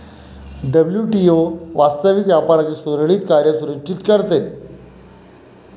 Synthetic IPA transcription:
ɖəbljuːʈioʋast̪əʋikʋjapaɾat͡ɕiːsoɾɭiːt̪kaɾjasuɾə̃t͡ɕit̪kəɾt̪e

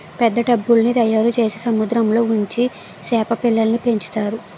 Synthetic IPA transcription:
pɛd̪ːɐɖɐbːulnid̪ɐjːɐɾut͡ʃe̞ːsisɐmud̪ɾɐmlo̞ːuɲt͡ʃi | sɛːpɐpilːɐlɐnipe̞ɲt͡ʃi̥t̪aːɾu

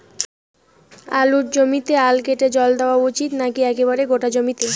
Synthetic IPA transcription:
aluʈ̚d͡ʑomit̪ealkeʈed͡ʑɔld̪eoaut͡ɕit̪nakiɛkeβaɾeɡoʈad͡ʑomit̪e

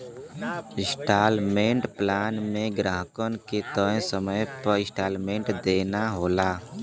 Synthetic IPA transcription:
ɪ̃sʈaːlmẽːɳʈplaːnmẽɡɾaːɦkənket̪ə̃səməjpəɾɪ̃sʈaːlmẽːɳʈd̪eːnaɦoːla

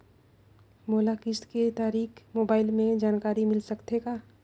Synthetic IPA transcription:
moːlakɪsket̪aːɾiːkmoːbaːɪlmẽd͡ʒaːnkaːɾimɪlsɐkt̪eɡaː

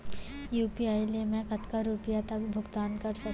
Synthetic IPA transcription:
juːpiaːilemẽkɐt̪kaɾuːpɪjat̪ɐk̚bʱʊɡt̪aːnkɐɾsɐ

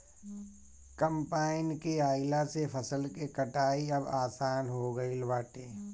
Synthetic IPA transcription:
kəmpaːɪnkeaːɪlasepʰəsəlkekɐʈaːiɐbaːsaːnɦoɡɐilʋaːʈeː

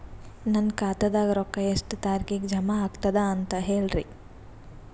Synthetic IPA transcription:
nɐnkaːt̪ɐd̪aːɡɐɾɔkːɐjɐsʈt̪aːɾkikd͡ʒɐmaːɡt̪ɐd̪ɐːnt̪ɐɦeːɭɾḭ

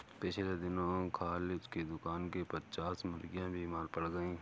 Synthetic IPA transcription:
pɪt͡ʃʰled̪ɪnõkʰaːlsked̪ʊkaːnkepɐt͡ʃaːsmʊɾɡijãbʱiːmaːɾpɐɽɡɐĩː

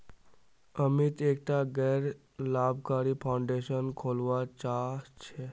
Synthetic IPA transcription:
əmit̪eːkʈ̪aɡəɾ | laːbʱkaːɾipʰaʊ̃ɳɖeʃənkʰoːlʋat͡ʃat͡ʃʰe

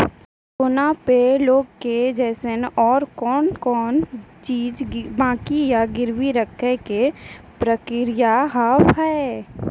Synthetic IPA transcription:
kʊnapeloːɡked͡ʒɛːsenɔːɾkɔːnkɔːnt͡ʃiːd͡ʒbãːkijaɡɪɾwiɾəkʰɛke | pɾəkɪɾɪjaɦawɦɛː

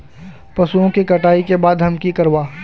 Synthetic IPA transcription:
pɐsuõkikɐʈaːikebaːd̪ɦɐmkikɐɾʋaː

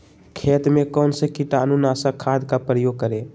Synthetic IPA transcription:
kʰet̪mekənsə̃kiʈanunasakʰad̪kapɾəjoɡ̚kəɾe

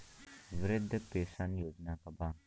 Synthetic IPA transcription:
ʋɾɪd̪ʱːəpeːsanjoːd͡ʒnakɐba

